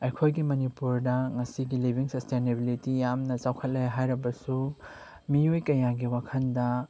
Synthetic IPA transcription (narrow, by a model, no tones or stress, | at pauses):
ɐjkʰojɡimɐnipuɾdɐŋɐsiɡilibʱiŋsɐstʰenebilitijamnɐt͡ʃawkʰɐt̚lɐjɦajɾɐbɐsu | miojkɐjaɡiwakʰɐndɐ